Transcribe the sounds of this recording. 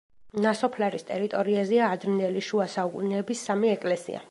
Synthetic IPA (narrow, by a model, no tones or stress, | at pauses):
nasɔpʰlaɾist̪ʼɛɾit̪ʼɔɾiazɛaːd̪ɾind̪ɛliʃuasaukʼṵnɛːbisːamiɛkʼlɛsḭa̰